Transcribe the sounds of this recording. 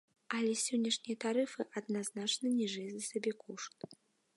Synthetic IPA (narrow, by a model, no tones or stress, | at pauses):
ɐlʲɛsʲɔnʲːɐʂnʲijɐt̪aɾɨfɨʔɐd̪naznat͡ʂnɐnʲɛʐɨjɛzʲɐsʲabʲɛkʰuʂt̪